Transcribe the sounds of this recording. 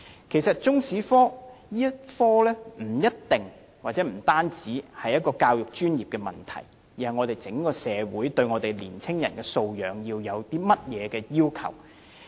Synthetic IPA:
kʰe˨˩sɐ˨t̚t͡sʊ˥ŋsiː˨˥fɔː˥jiː˥jɐ˥t̚fɔː˥lɛː˥m̩˨˩jɐ˥t̚t̪ɪ˨ŋ | waː˨t̚t͡sɛː˨˥m̩˨˩t̪aː˥nt͡siː˨˥hɐ˨jɐ˥t̚kɔː˧kaː˧wjʊ˨k̚t͡ʃyː˥njiː˨p̚kɛ˧mɐ̰˨˩nt̪ʰɐ̰˨˩j | ji˨hɐ˨jŋɔː˨˧t̪e˨jt͡sɪ˨˥ŋkɔː˧sɛː˨˧wuː˨˥jt̪ɵ˧ɥŋɔː˨˧t̪e˨˩jliː˨˩nt͡sʰɪ˥ŋjɐ˨˩nkɛ˧so˧wjœː˨˧ŋjiː˧wjɐ˨˧wt̪iː˥mɐ˥t̚jɛː˨˧kɛː˧jiː˥wkʰɐ̰˨˩w

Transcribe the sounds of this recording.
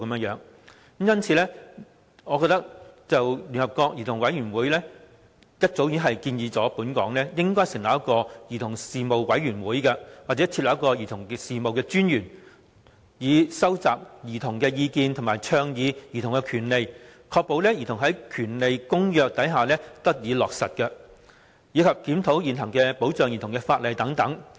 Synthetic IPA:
kɐ˨˦mjœː˧˥ŋjœː˨˧˥ŋ˨˦ | m̩jɐ˥nt͡sʰiː˨˧lɛː˥ | ŋɔ˨˧kɔː˧t̪ɐ˥k̚t͡sɐ˨wly˨˩nhɐ˨p̚kɔː˧k̚jiː˨˩t̪ʰʊ˨˩ŋwɐ˨˥jɥyː˨˩nwuː˨˥jlɛː˥ | jɐ˥t̚t͡so˨˥wjiː˨˥nɦɐ˨jkiː˧njiː˨˧t͡sɔː˨˦˥puː˨˥nkɔː˨˥ŋlɛː˥jɪ˥ŋkɔː˥jsɪ˨ŋlɐ˨˩jɐ˥kɔː˧jiː˨t̪ʰʊ˨˩ŋsiː˨mo˨wwɐ˨˥jɥyː˨˩nwuː˨˥jkɐ˧waː˨˩t͡sɛː˨˦˥t͡sʰi˧t̚lɐ˨˥jɐ˥kɔː˧jiː˨˩t̪ʰʊ˨˩ŋksiː˨mo˨wkɛː˧t͡ʃyː˥njyː˨˩n | jiː˨˧sɐ˥wt͡sa̰ː˨p̚jiː˨˩t̪ʰʊ˨˩ŋkɛː˧jiː˧kiː˧nt̪ʰʊ˨˩ŋmaː˨˩jt͡sʰœː˧ŋjiː˨˧jiː˨t̪ʰʊ˨˩ŋkɛ˧kʰyː˨˩nle˨˧jkʰɔː˧k̚po˨˧wlɛː˥jiː˨˩t̪ʰʊ˨˩ŋɦɐ˨˥jkʰyː˨˩nle˨jkʊ˥ŋjœː˨k̚t̪ɐ˨˥jɦaː˨lɛː˥t̪ɐ˥k̚jiː˨˧lɔː˨k̚sɐ˨t̚kɐ˧ | jiː˨˧kʰɐ˨p̚kiː˨˥mt̪ʰo˨˥wjiː˨˩nɦɐ˨˩ŋkɛː˧po˨˥wt͡sœː˨˧ŋjiː˨˩t̪ʊ˨˩ŋkɛ˧faː˧t̚lɐ˨jt̪ɐ˨˥ŋt̪ɐ˨˥ŋ

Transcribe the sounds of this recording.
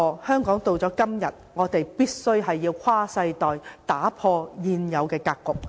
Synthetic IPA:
hœː˥ŋkɔː˨˥ŋt̪o˨˧wt͡sɔː˨˥kɐ˥mjɐ̰˨t̚ŋɔː˨˧t̪e˨jpiː˥t̚sɵ˥ɥɦɐ˨jːiː˧wkʷʰwaː˥sɐ˧jt̪ɔː˨jt̪aː˨˥pʰɔː˧jiː˨˧njɐ˨˧wkɛː˧kaː˧kːʊ˨k̚

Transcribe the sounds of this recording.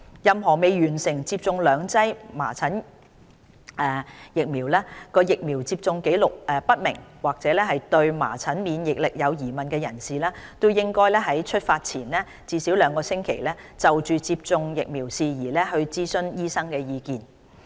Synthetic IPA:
jɐ˨mɦɔː˨˩me˨˧jɥyː˨˩nsɪ˨˩ŋt͡siː˧p̚t͡sʊ˧ŋlœː˨˧ŋt͡sɐ˥jma̰ː˨˩t͡sʰɐ˨˥n | ʔɛː˨jɪ˨k̚miː˨˩wlɛː˥kɔː˧jɪ˨k̚miː˨˩wt͡siː˧p̚t͡sʊ˧ŋke˨˥jlʊ˨k̚ʔɛ˨˧pɐ˥t̚mɪ̰˨˩ŋwaː˨k̚t͡sɛː˨˥lɛː˥ɦɐ˨jt̪ɵ˧ɥma̰ː˨˩t͡sʰɐ˨˥nmiː˨˧njɪ˨k̚lɪ˨k̚jɐ˨˧wjiː˨˩mɐ˨nkɛː˧jɐ˨˩nsiː˨lɛː˥t̪o˥wjɪ˥ŋkɔː˥jlɛː˥ɦɐ˨˥jt͡ʃʰɵ˥t̚faː˧t̚t͡sʰiː˨˩nlɛː˥ | t͡siː˧siː˨˥wlœː˨˧˥ŋkɔː˧sɪ˥ŋkʰḛ˨˩jlɛː˥ | t͡sɐ˨wt͡ʃyː˨t͡siː˧p̚t͡sʊ˧ŋjɪ˨k̚miː˨˩wsiː˨˧jiː˨˩lɛː˥hɵ˧ɥt͡siː˥sɵ˥njiː˥sɐ˥ŋkɛː˧jiː˧kiː˧n

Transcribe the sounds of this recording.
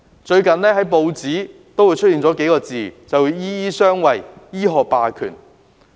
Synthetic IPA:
t͡ʃɵ˧ɥkɐ˨nnɛː˥ɦɐ˨˥jpo˧wt͡siː˨˥t̪o˥wuː˨˧jt͡ʃʰɵ˥jiː˧nt͡sɔː˨˥ke˨˥jkɔː˧t͡siː˨t͡sɐ˨wuː˨˧jjiː˥jiː˥sœː˥ŋwɐ˨˩jjiː˥ɦɔː˨k̚paː˧kʰy̰ː˨˩n

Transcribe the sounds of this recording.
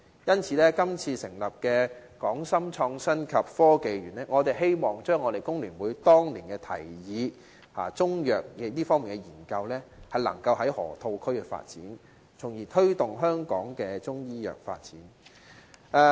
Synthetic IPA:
jɐ˥nt͡sʰiː˧lɛː˥kɐ˥mt͡sʰiː˧sɪ˨˩ŋlɐ˨p̚kɛː˧kɔː˨˥ŋsɐ˥mt͡ʃʰɔː˧ŋsɐ˥nkʰɐ˨p̚fɔː˥ke˧jɥyː˨˩nlɛː˥ŋɔː˨˧t̪e˨˩jɦe˥jmɔː˨˩ŋt͡ʃœː˥ŋːɔ˨˧ɾe˨˩jkʊ˥ŋlyː˨˩nwuː˨˧jt̪ɔː˥ŋliː˨˩nkɛː˧t̪ʰɐ̰˨˩jjiː˨˧ | ha̰ː˨t͡sʊ˥ŋjœː˨k̚jɛ˨˧t̪iː˥fɔː˥ŋmiː˨˩nkɛ˧jiː˨˩nkɐ˧wlɛː˥hɐ˨jlɐ̰˨˩ŋkɐ˧wɦɐ˨˥jhɔ̰ː˨˩t̪ʰo˧wkʰɵ˥ɥkɛ˧fa̰ː˧t̚t͡siː˨˥n | t͡sʰʊ˨˩ŋjiː˨˩t̪ʰɵ˥ɥt̪ʊ˨ŋɦœː˥ŋkɔː˨˥ŋkɛː˧t͡ʃʊ˥ŋjiː˥jœ̰ː˨k̚fa̰ː˧t̚t͡siː˨˥n | ʔɛː˨˧

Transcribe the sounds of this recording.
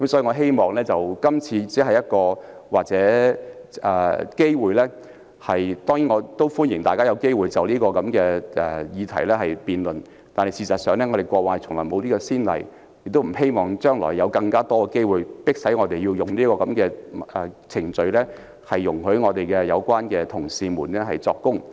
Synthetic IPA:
kɐ˨˦msɔː˨˦˥i˨ŋɔː˨˧ɦe˥jmɔː˨˩ŋlɛː˥t͡sɐ˨wkɐ˥mt͡sʰiː˧t͡siː˨˥ɦɐ˨jːɐ˥t̚kɔː˧ | waː˨k̚t͡sɛː˨˥ | ɛː˨˩ke˥jwuː˨jlɛː˥ | hɐ˨jt̪ɔː˥ŋji˨˥ŋɔː˨˧t̪o˥wfuː˥njɪ˨˩ŋt̪aː˨jkaː˥jɐ˨˧wke˥jwuː˨jt͡sɐ˨wliː˥kɔː˧kɐ˨˧˥mkɛː˧ʔɛ˨˩jiː˨˧t̪ʰɐ˨˩jlɛː˥hɐ˨jpiː˨nlɵ˨˩n | t̪aː˨nhɐ˨jsiː˧sɐ˨t̚sœː˨ŋlɛː˥ŋɔ˨˧ɾe˨jkʷɔː˧waː˨jt͡sʰʊ˨˩ŋlɔː˨˩jmo˨˧wliː˥kɔː˧siː˥nlɐ̰˨˩j | jɪ˨k̚t̪o˥wm̩˨˩he˥jmɔː˨˩ŋt͡ʃœː˥ŋlɔ̰ː˨˩jːɐ˨˧wkɐ˧ŋkaː˥t̪ɔː˥kɛ˧ke˥jwuː˨˩jpɪ˥k̚sɐ˨˥jŋɔː˨˧t̪e˨jiː˧wjʊ˨˩ŋliː˥kɔː˧kɐ˨˧˥mkɛː˧ʔɛ˨˩t͡sʰɪ˨˩ŋt͡sɵ˧ɥlɛː˥ | hɐ˨jːʊ˨˩ŋhɵ˨˥ɥŋɔː˨˧t̪e˨jkɛː˧jɐ˨˧wkwaː˥nkɛː˧t̪ʰʊ˨˩ŋsiː˧muː˨˩nlɛ˥ɦɐ˨jt͡sɔː˧kːʊ˥ŋ

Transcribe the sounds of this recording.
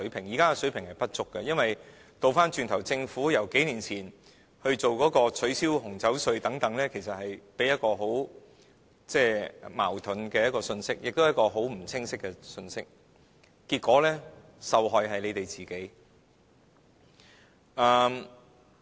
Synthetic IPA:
ɵ˨˥ɥpʰɪ˨˩ŋjiː˨˩kaː˥ɡɛ˧sɵ˨˥ɥpʰɪ˨ŋhɐ˨jpɐ˥t̚t͡sʊ˥kːɛ˧jɐ˥nwɐ˨j | t̪o˨wfaː˥nt͡ʃyː˨nt̪ʰɐ˨˩wt͡sɪ˧ŋfuː˨˥jɐ˨˩wke˨˥jniː˨˩nt͡sʰiː˨˩n | hɵ˧ɥt͡so˨wkɔː˨˥kɔː˧t͡sʰɵ˨˥ɥsiː˥whʊ˨˩ŋt͡sɐ˨˥wsɵ˧ɥt̪ɐ˨˥ŋt̪ɐ˨˥ŋlɛː˥kʰe˨˩jsɐ˨t̚hɐ˨jpe˨˥jɐ˥t̚kɔː˧ɦo˨˥w | t͡sɛː˥˧ma̰ː˨˩wt̪ʰɵ˨˥nkɛː˧jɐ˥tkɔː˧sɵ˧nsɪ˥k̚jɪ̰˨k̚t̪o˥jkɔː˧ɦo˨˥wm̩˨˩t͡sʰɪ˥ŋsɪ˥kːɛ˧sɵ˧nsɪ˥k̚ | kiː˧t̚kɔː˨˥lɛː˥ | sɐ˨wɦɔː˨jɦɐ˨jle˨˧jt̪e˨jt͡siː˨˩ke˨˥j | ʔɐː˧m

